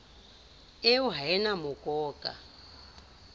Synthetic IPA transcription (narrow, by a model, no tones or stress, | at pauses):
euɦaɛnamɔkʼɔːkʼa̰